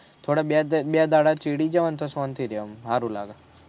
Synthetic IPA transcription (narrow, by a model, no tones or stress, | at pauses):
t̪ʰoːɽababjad̪aːɽat͡ʃiɽid͡ʒɐʋant̪ʰosont̪iɾiomɦaːɾula̰ːɡa